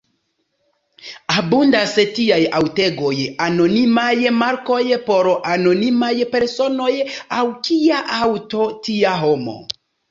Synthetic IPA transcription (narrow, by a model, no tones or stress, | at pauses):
abundastiajawteɡojanonimajmaɾkojpoɾʔanonimajpeɾsonojawkiaʔawtotiaɦomo̰